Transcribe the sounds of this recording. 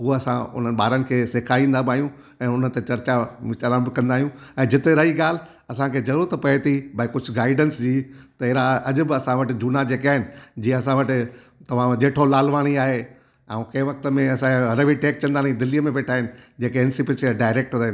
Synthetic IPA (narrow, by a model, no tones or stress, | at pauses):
ɦuɐsãʊ̰n̤ənɪ̆ɓaːɾənɪ̆kʰeːseːkʰaĩːnd̪abɪaːijũ | ɛ̃ːʊnət̪et͡ɕɐɾt͡ɕaɪt͡ɕaɾãbɪkɐ̃nd̪aːɦijũɛ̃ːd͡ʑɪt̪eɾɐɦiɠaːl̤ | ɐsãkʰeːzɐɾuːɾt̪ɐpɐet̪ʰibakʊd͡ʑʰʱʊɡaːɪɖənsd͡ʑiːt̪ɐɦɪɾaɐʄʊ̆bɪɐsãʋɐʈɪ̆d͡ʑuːnad͡ʑeːkiaːɦɪnɪ̆d͡ʑiːɐsãʋɐʈɪ̆ | t̪ɐʋ̤ãʄeːʈʰolaːlʋaːɽ̃iaːɦe | ãũkɐ̃ɪ̃ʋɐk̚t̪əmẽɐsãɾɐʋiʈeːk̚t͡ɕɐ̃nd̪aːnid̪ɪliːəmẽʋeːʈʰaːɦɪnɪ̆d͡ʑeːkeɪnsɪpɪsɖaːɪɾeːk̚ʈɾɐɦɪn